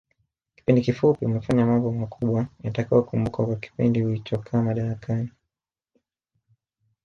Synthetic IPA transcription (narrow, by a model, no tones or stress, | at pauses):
ki̥pindikifupiumɛfaɲamambɔmakʰuɓwajatakajɔkumbukakwaki̥pindihuit͡ʃɔkʰaːmaɗaɾakʰani